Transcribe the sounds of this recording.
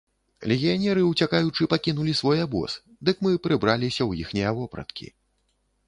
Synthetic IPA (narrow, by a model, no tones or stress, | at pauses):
lʲɛɣʲijanʲɛɾɨut͡sʲakajut͡ʂɨpakʲinulʲisvɔjabɔ̰s | d̪ɨkmɨpɾɨbɾalʲisʲɐwjixnʲijɐvɔpɾɐ̰t̪kʲʰḭ